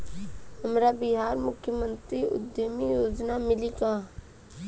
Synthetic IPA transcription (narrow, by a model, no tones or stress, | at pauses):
həmɾabɪɦaːɾmʊkʰjəmə̃nt̪ɾiʔʊ̰d̪jəmijoːd͡ʒnamɪlikaː